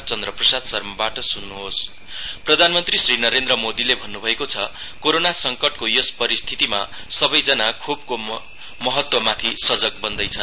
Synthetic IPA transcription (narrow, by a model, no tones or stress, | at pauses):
t͡sʌnd̪rʌprʌsad̪sʌrmʌbaʈʌsunːuɦos | prʌd̪ʱanmʌnt̪risrinʌɾend̪rʌmod̪ilebʱʌnːubʱʌekot͡sʰʌ | koɾonasʌŋkʌʈkojospʌɾist̪ʰit̪ima̰ | sʌbʌjd͡zʌnakʰub̚ko | mʌɦʌt̪wʌmat̪ʰisʌd͡zʌk̚bʌnd̪ʌjt͡sʰʌn